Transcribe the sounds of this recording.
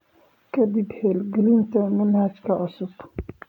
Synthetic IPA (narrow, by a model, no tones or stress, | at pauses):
kʰɐd̪ibhɛlɡɛlɪnt̪ʰɐmɐnhɐd͡ʒkʰɐʕʊsʊb̥